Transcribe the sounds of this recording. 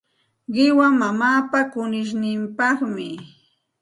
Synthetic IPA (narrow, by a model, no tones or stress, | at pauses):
ɢɪwamamaːpakʊnɪʃ̬nɪmpɑχmɪ